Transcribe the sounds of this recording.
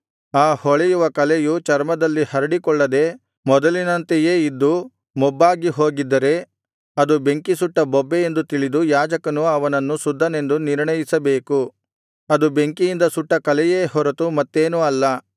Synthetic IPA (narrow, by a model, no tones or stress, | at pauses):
aːhɔɭɛjuʋɐkɐlejut͡ʃɐɾmɐd̪ɐlːihɐɾɐɽikɔɭːɐd̪e̞ | mɔd̪ɐlinɐnt̪ejeːid̪ːu | mɔbːaːɡiɦo̞ːɡid̪ːɐɾe̞ | ɐd̪ube̞ŋkisuʈːɐbɔbːeend̪ut̪iɭid̪ujaːd͡ʒɐkɐnuɐʋɐnɐnːusud̪ʱːɐne̞nd̪uniɾɳɐjisɐbe̞ːku | ɐd̪ube̞ŋkijind̪ɐsuʈːɐkɐlɛjeːhɔɾɐt̪umɐt̪ːe̞ːnuɐlːɐ